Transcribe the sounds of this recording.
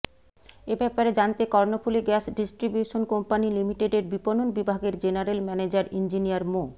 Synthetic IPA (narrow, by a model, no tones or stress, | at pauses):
ebɛpaɾed͡ʑant̪ekɔɾnofʰuleɡɛsɖisʈɾibjuʃonkompanilimiʈeɖeɾbipononbibʱaɡeɾd͡ʑenaɾelmɛned͡ʑaɾind͡ʑinijaɾmo